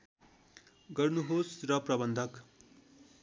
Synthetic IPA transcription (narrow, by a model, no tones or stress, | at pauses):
ɡʌrnuɦosrʌprʌbʌnd̪ʱʌk